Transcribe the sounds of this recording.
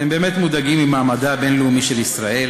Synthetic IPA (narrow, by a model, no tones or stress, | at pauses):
embe̞ːmet̪mud̪aɡimimaːmad̪abe̞nleumiʃe̞lisʁaʔe̞l